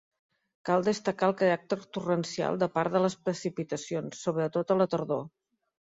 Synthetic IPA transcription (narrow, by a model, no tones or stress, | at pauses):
kalˠd̪əst̪əkaəlˠkəɾak̚t̪əɾt̪urənsia̰lˠd̪əpaɾðələspɾəsipit̪əsionsːoβɾət̪ot̪ələt̪əɾðo